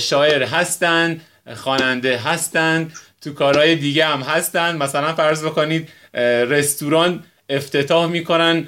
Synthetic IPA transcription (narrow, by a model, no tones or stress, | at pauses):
ʃɒːje̞ɾɦæst̪ænd̪ | xɒːnænd̪e̞ɦæst̪ænd̪t̪ʰukʰɒːɾhɒːjed̪iːɟehæmɦæst̪ænd̪mæsælænfæɾzbekoniːd̪ | re̞st̪uɾɒːnt̪ | e̞ft̪ʰe̞t̪ʰɒːhmiːkʰo̞næn